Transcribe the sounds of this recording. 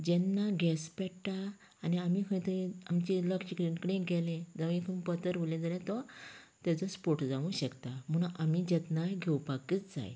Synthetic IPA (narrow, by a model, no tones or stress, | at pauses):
d͡ʑɛnːaɡʱɛspɛʈaː | niamikʰə̃t̪əĩamt͡ɕiləkɕikɾinkəɽẽɡɛlẽd͡zəʋĩkʰəmpət̪əɾʋulẽd͡zalɛ̃t̪ɔt̪jat͡sɔspoɾʈd͡zãʋũɕəkt̪am̤əɳamid͡ʑɛt̪naɡʱɛwupakit͡sd͡za̰j